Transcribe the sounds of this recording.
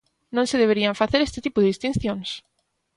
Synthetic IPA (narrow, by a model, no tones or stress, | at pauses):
nõŋsɪðeβ̞eɾiaɱfaθeɾest̪ɪt̪ipʊðeist̪in̟θjõŋs